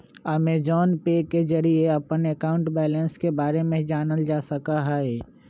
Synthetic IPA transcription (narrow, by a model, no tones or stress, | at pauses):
aːmed͡ʒɔːnpeːked͡ʒɐɾieɐpənekaːʊ̃ɳʈbɛːlə̃nskebaːɾemẽd͡ʒaːnəld͡ʒaːsəkaɦɛɛ